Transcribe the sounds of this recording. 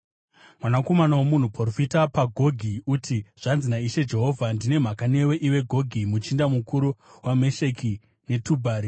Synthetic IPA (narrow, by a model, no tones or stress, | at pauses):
mwanako̞manawomun̤uprorofitapaɡʱo̞ɡʱiutʰiʐ̥anzinaiʃe̞d͡ʒe̞ɦo̞ːvʱandine̞m̤akane̞we̞ʔiwe̞ɡʱo̞ɡʱimut͡ʃindamukuɾuwameʃe̞ki | ne̞tubʱaːɾi